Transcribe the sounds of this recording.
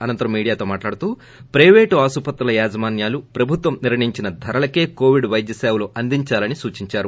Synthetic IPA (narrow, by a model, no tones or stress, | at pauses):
ɐnɐnt̪ɐɾɐmːiːɽijaːt̪oːmaːʈlaːɽut̪uː | pɾɐjʋeːʈuaːsupɐt̪ːɾɐlɐjaːd͡ʒɐmaːnjaːlupɾɐbʱut̪ʋɐmniɾɐɳiɲt͡ʃinɐd̪ʱɐɾɐlɐke̞ːkoːʋiɖʋɐjd̪jɐsaːwuloːʔɐnd̪iɲt͡ʃaːlɐnisuːt͡ʃiɲt͡ʃaːɾu